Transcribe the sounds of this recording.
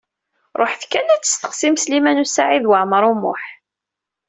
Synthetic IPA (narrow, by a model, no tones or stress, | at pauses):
ɾˤoħθkːænæt͡sːə̥st̪ə̥qsimslimænusaʕiðwaʕməɾˤumːʊ̰ħ